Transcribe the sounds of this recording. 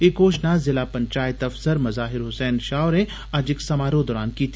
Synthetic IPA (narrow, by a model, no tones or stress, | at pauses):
ekoːʃnazɪlaːpɐ̃ɲt͡ʃaːjɪt̪ɐfsəɾmɐzaːɦɪɾɦʊsɛːnʃaːʊɾẽ | ad͡ʒɪksɐmaːɾod̪ɔːɾaːnkiːt̪ʰ